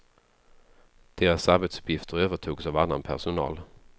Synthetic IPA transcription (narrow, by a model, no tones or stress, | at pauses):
d̪̥eːɾasaɾbeːt̪sɵ̥pʰjɪft̪ʰəɾøːvəʈʰuːɡsavanːa̰npʰæ̰ʂʊnɑ̰ːl